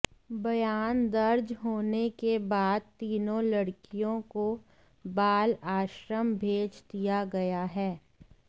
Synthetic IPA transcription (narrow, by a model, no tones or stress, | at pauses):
bɐjaːnd̪ɐɾd͡ʒɦoːnekebaːd̪̚t̪iːnõlɐɽkijõko | baːlaːʃɾəmbʱeːd͡ʒd̪ijaɡɐjaɦɛː